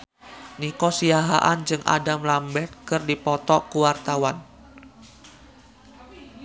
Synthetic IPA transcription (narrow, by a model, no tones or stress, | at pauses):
nikɔsiaɦa̰ʔand͡ʒɨŋʔa̰damlambɛt̪̚kɨrdipɔt̪ɔkuwart̪awan